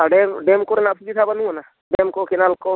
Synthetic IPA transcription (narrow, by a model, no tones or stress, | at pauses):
aɖemɖemkoɾenapʰid͡ʒit̪ʰabənuana | ɖemkokenalko